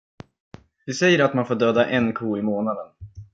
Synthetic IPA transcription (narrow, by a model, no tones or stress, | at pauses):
vɪsɛjːəɾat̪manfoːɖøːd̪aʔɛnkʰuːɪmoːnad̪ən